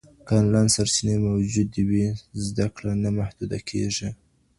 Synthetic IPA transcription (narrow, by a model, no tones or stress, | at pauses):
kɑnlajnsaɾsinemawd͡ʒud̪ːiwizd̪akɽanamahd̪̥ud̪akʰḛʐi